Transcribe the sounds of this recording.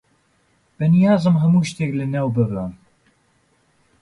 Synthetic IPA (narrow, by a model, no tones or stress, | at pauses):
b̥ɨnijaːzɨmɦɐmuːʃt̪eːklɨnewbɨbəm